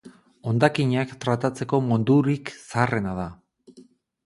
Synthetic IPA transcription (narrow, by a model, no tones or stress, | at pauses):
o̞nd̪akiɲakt̪ɾat̪at͡se̞ko̞mond̪uɾiksare̞naða